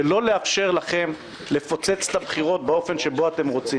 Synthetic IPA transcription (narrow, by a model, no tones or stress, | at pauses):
elo̞le̞afʃeʁlaχe̞m | le̞fo̞t͡se̞t͡slabχiʁo̞t̚beofe̞nʃe̞bo̞ate̞mʁo̞t͡si